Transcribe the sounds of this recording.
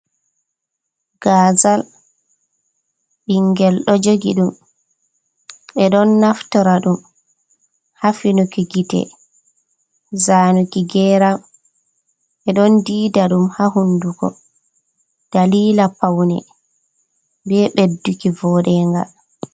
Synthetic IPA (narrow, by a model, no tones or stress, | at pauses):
ɡ̥aːzal | ɓiŋɡɛlɗɔd͡ʒoɡḭɗum | ɛɗɔnːaftɔɾaɗum | hafinukiɡitɛ̰ | zanukiɡɛːɾam | ɓɛɗɔndiːdaɗumhahundukɔ̰ | d̥aliːlapawnɛ | bɛɓedːukivɔɗɛŋɡa̰l